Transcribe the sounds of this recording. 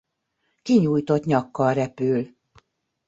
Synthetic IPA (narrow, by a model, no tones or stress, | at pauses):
kiɲuːjt̪o̞t̪ɲɒkːɒlrɛpyːl